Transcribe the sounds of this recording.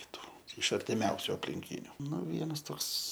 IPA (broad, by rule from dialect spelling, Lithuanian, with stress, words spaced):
kʲɪˈtuː ɪʃ ɐrʲtʲɪˈmʲɛʊsʲʊ ɐpʲlʲɪŋʲˈkʲiːnʲʊ ˈnʊ ˈʋʲiɛnɐs ˈtoːks